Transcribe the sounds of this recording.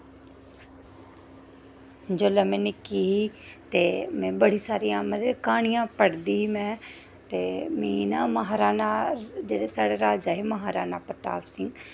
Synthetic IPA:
d͡ʒoːlɛ̃ːmɛ̃ːnɪkiːɦiːt̪eːmɛ̃ːbəɽiːsaːɾijãːməd̪ekaːɳ̃ɪjãːpəɽd̪iːɦiːmɛ̃ː | t̪eːmĩːnaːməɦaːɾaːnaːd͡ʒeːɽeːsaːɽeːɾaːd͡ʒaːɦeməɦaːɾaːnaːpət̪a̰ːbsɪŋɡ

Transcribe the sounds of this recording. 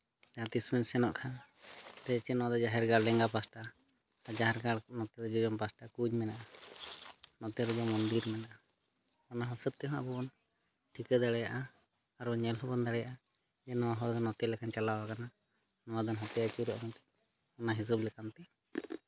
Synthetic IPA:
lɛat̪ismɛnsɛnɔʔkʰant̪ɛt͡ʃɛnɔwad̪ɔd͡ʒaɦɛɾɡaɽɖɛŋɡapasʈa | d͡ʒaɦɛɾɡaɽnɔt̪ɛd̪ɔd͡ʒɔd͡ʒɔmpasʈakud͡ʒmɛnaʔa | nɔt̪ɛɾɔd̪ɔmɔnd̪iɾmɛnaʔa | ɔnaɦɔsət̪̚t̪ɛɦɔ̃a̰bɔɔn | ʈʰikəd̪aɽɛjaʔaː | ɾɲɛlɦɔbɔnd̪aɽɛjaʔa | d͡ʒɛnɔwaɦɔɾd̪ɔnɔt̪ɛlɛkant͡ʃalawakana | nɔwad̪anɦɔt̪ɛjat͡ʃuɾɔʔmɛt̪ɛ̥ | ɔnaɦis̬ublɛkant̪ɛ

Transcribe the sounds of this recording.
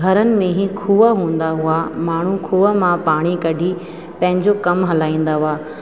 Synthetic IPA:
ɡʱɐɾənɪ̆mẽɦĩkʰuːəɦũːn̆d̪aɦʊamaːɳ̤ũkʰuːəmãpaːɽ̃ikɐɖʱi | pɐ̃ɦɪ̃ɲd͡ʑokɐmɦɐlaːĩːn̆d̪aɦʊaː

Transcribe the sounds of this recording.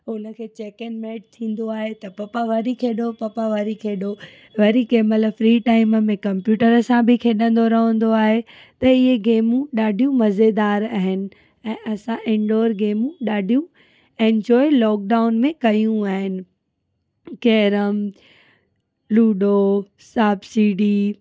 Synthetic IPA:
ʊnə̆kʰeːt͡ɕeːkenmeːʈ̚t̪ʰĩːn̆d̪oaːɦet̪ɐpɐpaʋɐɾikʰeːɗopɐpaʋɐɾikʰeːɗo | ʋɐɾikeːmələfɾiːʈaːɪməmẽkɐ̃mpjuːʈəɾəsãbʱɪkʰeːɗə̃nd̪oɾɐɦə̃nd̪oaːɦe | t̪ɐɪɦeɡeːmũɗaːɖʱijũmɐzed̪aːɾaːɦɪnɪ̆ | ɛ̃ːʔɐsãʔẽɳɖoːɾɡeːmũɗaːɖʱijũ | ẽːnd͡ʑɔːɪlɔːk̚ɖaːʊnmẽkɐjũaːɦɪnɪ̆ | keɦɾəm | luːɗo | saːbsiːɖiː

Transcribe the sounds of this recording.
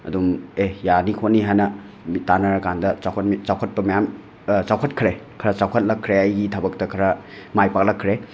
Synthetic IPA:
ɐ̰dumejanikʰoniɦanɐ | mitanɐɾɐkandɐt͡ʃawkʰɐt̚mit͡ʃawkʰɐt̚pɐmɐjam | t͡ʃawkʰɐtkʰɾekʰɐɾɐt͡ʃawkʰɐt̚lɐkʰːɾeajɡitʰabɐk̚tɐkʰɐɾɐ | majpak̚lɐkʰːɾe

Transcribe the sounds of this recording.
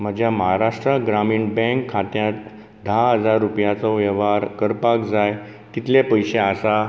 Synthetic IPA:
m̤əd͡ʑʱjaməɦaɾaʂʈɾəɡɾamiːɳbɛ̃ŋkʰːat̪jat̪ | d̪ʱaɦəd͡zaɾːupjat͡sɔʋjəʋaɾkəɾpakd͡zaj | t̪it̪lepəjɕeasa

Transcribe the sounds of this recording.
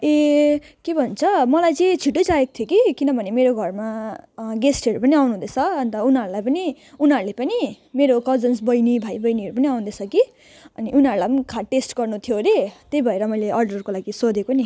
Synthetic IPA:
e | kebʱʌnt͡sʰʌmʌlajt͡sẽt͡sʰiʈːot͡saeko̥t̪ʰjokikinʌbʱʌnemeɾoɡʱʌrmaɡesʈʌɾupʌniawnuɦũd̪et͡sʰʌʌnt̪ʌunɦʌɾulajpʌni | unɦʌɾulepʌni | meɾokʌd͡zʌnsbʌjnibʱajbʌjniʌɾupʌniaw̃nd̪et͡sʰʌki | ʌ̰niʔunɦʌɾulajpʌnikʰaʈesʈɡʌrnut̪ʰjoɾet̪ejbʱʌeɾʌmʌjleʔʌrɖʌrkolaɡisod̪ekoni

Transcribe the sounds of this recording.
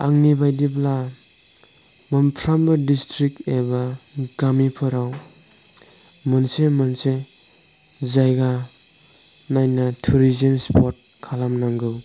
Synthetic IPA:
aŋnibajdibla | mɯmpʰɾambadistɾik̚ebaɡ̥amipʰɯɾaw | mɯnsemɯnse | zajɡa | najnatʰuɾizienspʰoɾt̚kʰalamnaŋɡɯw

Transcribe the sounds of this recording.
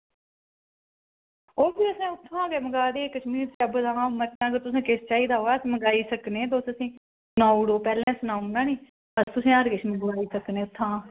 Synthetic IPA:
oːɾbiːəsẽːʊt̪ʰːãːɡeːməɡaːd̪eːkəʃmiːɾt̪eəbəd̪ãːmət̪ːãːɡəɾt̪ʊsẽːkɪst͡ʃaːiːd̪aːɦoːaːəsĩːməɡaːiːsəkneːt̪̬oʊsəsĩː | nɔ̃ːiɽoːpɛːlɛ̃ːsʊnaːʊ̃nd̪ãːniː | əst̪ʊsẽːəɾkɪʃmə̃ɡʋaːiːsəknẽːʊt̪ʰːãː

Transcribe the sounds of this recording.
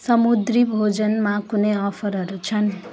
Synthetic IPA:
sʌmud̪ribʱod͡zʌnmakuneʌpʰʌɾɦʌɾut͡sʰʌn

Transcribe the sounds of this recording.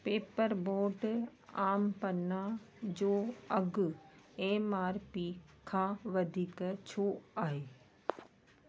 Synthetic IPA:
peːpəɾboːɾɖaːmpɐna | d͡ʑoːɐɡ | eːmaːɾpiːkʰãːʋɐd̪ʱiːkt͡ɕʰoːaːɦeː

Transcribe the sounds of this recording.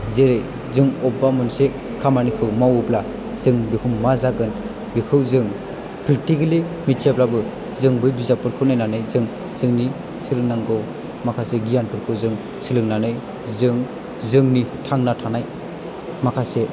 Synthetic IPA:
zeɾɯj | zɯŋɔbamɯnse | kʰamanikʰɯwmawupla | zɯŋbikʰumːazaɡɯn | bikʰɯwzɯŋ | pʰɾitikɯlimitʰijaplabɯ | zɯŋbɯjbizapʰɯɾkʰɯwnajnanɯjzɯŋ | zɯŋni | sɯlɯŋnaŋɡɯw | makʰaseɡijanpʰɯɾkʰɯwzɯŋ | sɯlɯŋnanɯj | zɯŋ | zɯŋnitʰaŋnatʰanaj | makʰase

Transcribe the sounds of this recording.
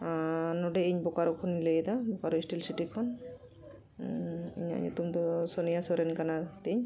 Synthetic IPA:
nɔɖɛiɲbɔkaɾɔkʰɔnːilejd̪abɔkaɾɔisʈilsiʈikʰɔn | ḭɲa̰ɲɛ̰t̪umt̪ɔsɔnijasɔɾɛnkanat̪iɲ

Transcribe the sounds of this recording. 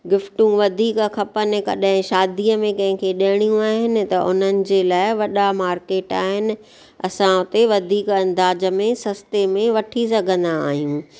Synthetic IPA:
ɡɪfʈũʋɐd̪ʱiːkxʰɐpənɪ̆kɐ̰ɗɦɪ̃ʃaːd̪ijəmẽkɐ̃ɦɪ̃kʰeɗɐɪɽ̃ijũaːɦɪnɪ̆t̪ɐʊn̤ənɪ̆d͡ʑelaːɪʋɐɗamaːɾkeːʈaːɦɪnɪ̆ | ɐ̰sãʊt̪eʋɐd̪ʱiːkɐ̃nd̪aːd͡ʑə̆mẽsɐst̪emẽʋɐʈʰis̬ɐɡʱə̃nd̪aːɦijũː

